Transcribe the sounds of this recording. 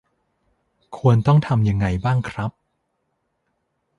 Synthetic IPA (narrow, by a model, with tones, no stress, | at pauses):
kʰu˧ənt̪ɔ˥˩ŋt̪ʰa˧mja˧ŋːa˧jbaː˥˩ŋkʰɾa˦˥p̚